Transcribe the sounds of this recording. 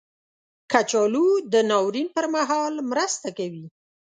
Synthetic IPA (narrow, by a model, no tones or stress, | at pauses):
kat͡ʃɑlud̪ənɑwɾinpəɾmaɦɑlmɾəst̪akawi